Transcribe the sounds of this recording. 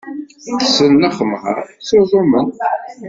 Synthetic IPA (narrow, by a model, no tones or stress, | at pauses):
θə̥səlnæχəmhə̰ɾˤsoðˤomən